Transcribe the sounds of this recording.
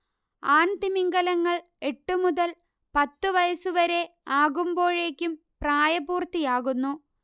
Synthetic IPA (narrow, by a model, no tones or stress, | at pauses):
aːnd̪imiŋɡɐlɐŋːɐɭ | e̞ʈːumuðɐl | pɐt̪ːuʋɐjɐsuʋɐɾe̞aːɣumbo̞ːɻe̞ːkʲːum | praːjɐbuːrt̪ijaːɣunːu